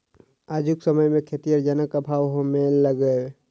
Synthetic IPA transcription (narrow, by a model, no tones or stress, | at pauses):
aːd͡ʒʱʊksəməjmẽkʰet̪ijəɾd͡ʒanəkabʱaːwɦomeləɡə